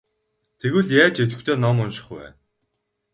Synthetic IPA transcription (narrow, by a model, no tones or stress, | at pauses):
t̪ʰeɣɘ̆ɮjaːt͡ɕet̪̬ɘ̆kt̪ʰeːnɔmʊnʃɪ̥̆χwæ̰ːn